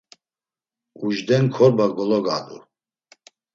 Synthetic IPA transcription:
uʒd̪ɛnkʰɔɾbaɡɔlɔɡa̰ːd̪ṵ

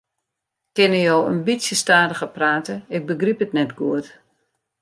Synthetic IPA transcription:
kɪnəjowə̰nbitsjəstaːdəɣəpraːtəɪk̚bəɡripətnɛtɡuət

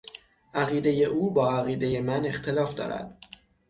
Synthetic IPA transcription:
ʔæɣiːd̪eje̞ʔuːbɒːæɣiːd̪e̞je̞mæne̞xt̪ʰe̞lɒːfd̪ɒ̰ːɾæ̰d̪̥

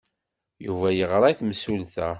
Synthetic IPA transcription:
juvæjəʁɾˤɑjθmsulθæ

